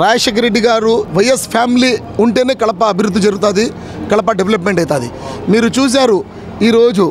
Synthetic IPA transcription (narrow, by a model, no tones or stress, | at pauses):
ɾaːjɐʂɐk̬ɐɾeɖːiɡaːɾuʋɐjɐspʰjaːmiliː | uɳʈe̞ːne̞ːkɐɭɐpɐːbʱiɾud̪ʱːid͡ʒɐɾuɡut̪aːd̪i | kɐɭɐpɐɖeʋelɐp̬me̞ɳʈɐjit̪aːd̪ḭmiːɾut͡ʃuːs̬aːɾu | iːɾo̞ːd͡ʒu